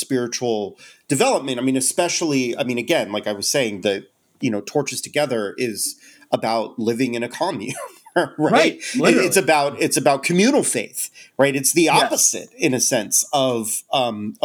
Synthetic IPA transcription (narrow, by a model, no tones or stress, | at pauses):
spɪɹɨt͡ʃul̩ˠd̥ɨvɛlˠəp̚mɨ̃taɪmĩnɨspɛʃl̩ˠia̰ɪmĩñɨɡɛ̃nlaɪkaɪwʌz̥seɪɪ̃ŋðɨt̚ | jɨñoʊtʰɔɹt͡ʃɨz̥tʰɨɡɛðə˞ʔɪz̥ | ʔəbaʊt̚lɪvɪ̃ŋɨ̃ñɨkʰɑmjʉ̃nɹaɪt̚ɪɪtsɨbaʊɾɨtsɨbaʊt̚kʰɨmjʉ̃nl̩ˠfeɪθɹaɪɾɨtsðiɑpəz̥ɪ̰ɾɨ̃nɨsɛ̃nsʌvʌ̃m